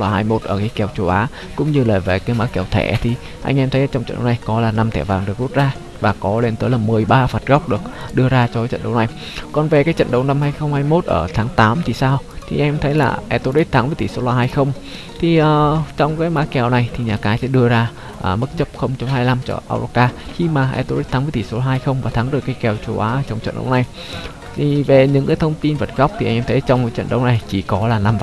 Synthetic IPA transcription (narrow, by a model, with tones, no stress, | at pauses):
laː˧ɦaː˧jmo˦˥t̚ʔəː˧˩kaː˨˦jkɛ˧˩wt͡ɕo˧˩ʔaː˨˦ | kʊ̰˧˥ŋ͡mɲɨ˧laː˨˩ve˨˩kaː˨˦jmaː˨˦˥kɛ˧˩wt̪ʰɛ̰˧˩t̪ʰi˨˩ | ʔa˧jŋ̟ʔɛ˧mt̪ʰə˨˦jaː˧˩t͡ɕwŋ͡mt͡ɕə̰˧˨ɗə˨wna˨˩jkɔ˨˦laː˨˩na˧mt̪ʰɛ˧˩vaː˨˩ŋɗɨ˨˩ək̚zu˦˥t̚zaː˧ | vaː˨˩kɔ˨˦le˧nt̪əː˨˦jlaː˨˩mɨ˨˩əjɓaː˧faː˨˩t̚ɣa˦˥wk͡p̚ɗɨ˨˩ək̚ɗɨ˧əzaː˧t͡ɕɔ˧aː˨˦t͡ɕə̰˧˨nɗə˧˩wna˨˩j | kɔ˨˩nve˨˩kaː˨˦jt͡ɕə̰˧˨nɗə˧wna˧mhaː˧jxə˧wŋ͡mhaː˧jmo˦˥t̚ʔəː˧˩t̪ʰaː˨˦ŋt̪aː˨˦mt̪ʰi˨˩saː˧wt̪ʰḭ˨˩ʔɛ˧mt̪ʰə˨˦jla̰ː˨˩ʔɛ˧t̪o˧˦˥tʔi˦˥t̪ʰaː˨˦ŋvəː˨˧˦jt̪i˧˩so˨˧˦laː˧˩haː˧jxə˧wŋ͡m | t̪ʰi˨˩ʔəː˨˩t͡ɕɔ˧wŋ͡mkaː˨˦jmaː˨˦˥kɛ˨˩wna˨˩jt̪ʰi˨˩ɲaː˨˩kaː˨˦jsɛ̰˧˥ɗɨ˧əzaː˧ | ʔəː˨˩mə˦˥t̚t͡ɕə˦˥p̚xə˧wŋ͡mt͡ɕo˧˦mhaː˧jla˧mt͡ɕɔ̰˧˩ʔa̰ː˧wɾo˧˦kaː˧xi˧maː˨˩ʔɛ̰˧t̪o˧ɾi˦˥t̪ʰa˨˦ŋvt̪i˧˩so˨˦laː˧ha˧jxə˧wŋ͡mvaː˨˩t̪ʰa˨˦ŋɗɨ˨˩kːaː˨˦jkɛ˨˩wt͡ɕo˨˦ʔaː˨˦ʔːt͡ɕɔ˧wŋ͡mt͡ɕə̰˧˨nɗə̰˧˦wna˨˩j | t̪ʰi˨˩ve˨˩ɲɨ̰˧˥ŋkaː˨˦jt̪ʰə˧wŋ͡mt̪i˧nvə˨˩t̚ɣa˦˥k͡p̚t̪ʰi˨˩ʔŋʔɛ˧mt̪ʰjt͡ɕɔ˧wŋ͡mka˨˦jt͡ɕə̰˧˨nɗə̰˨˦wna˨˩jt͡ɕi˧˩kɔ˨˦laː˨˩na˧m˧˨